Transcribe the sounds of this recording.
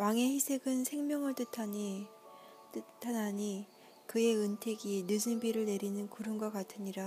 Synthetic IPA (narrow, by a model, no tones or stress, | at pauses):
waŋe̞çisʰe̞ɡɯnsʰe̞ŋmjʌŋɯɭt͈ɯtʰaɲi | t͈ɯtʰanaɲi | kɯe̞ɯntʰe̞ɡinɯsɯnbiɾɯɭne̞ɾinɯnkuɾɯnɡwakatʰɯɲiɾa